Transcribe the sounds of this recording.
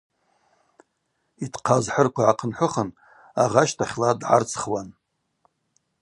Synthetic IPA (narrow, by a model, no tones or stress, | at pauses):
itʰqʰazħərkʷʰaʕaqʰənħʷʊχən | aʁaʃtʰaχʲladʕa̰rt͡sʰχwan